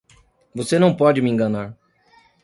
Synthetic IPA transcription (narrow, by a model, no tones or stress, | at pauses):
vosenɐ̃w̃pɔd͡ʒɪmɪẽŋɡɐ̃naɾ